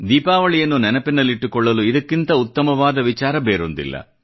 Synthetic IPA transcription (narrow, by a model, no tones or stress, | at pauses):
d̪iːpaːʋɐɭijɐnːunɛnɐpinːɐlːiʈːukɔɭːɐluid̪ɐkːint̪ɐut̪ːɐmɐʋaːd̪ɐʋit͡ʃaːɾɐbeːɾond̪ḭlːɐ̰